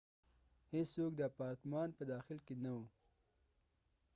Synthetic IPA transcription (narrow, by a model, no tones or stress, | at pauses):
hessokd̪əpɑɾt̪mɑnpəd̪ɑxɪlkenawu